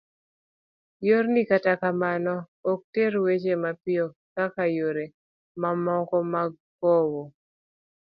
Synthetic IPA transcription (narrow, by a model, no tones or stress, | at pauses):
joɾnikatakamanɔ | ɔk̚teɾwet͡ʃemapɪɔ | kakajoɾe | mamɔkɔmaɡ | ɡɔwɔ